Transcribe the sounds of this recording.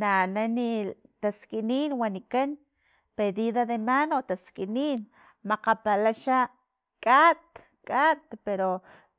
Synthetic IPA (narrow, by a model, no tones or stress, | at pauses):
nanani | t̪askʼiniːnwaniken | peðiðaðemanot̪askʼiniːn | maqapalaʃaʔ | kʼat̪̚ | kʼat̪peɾo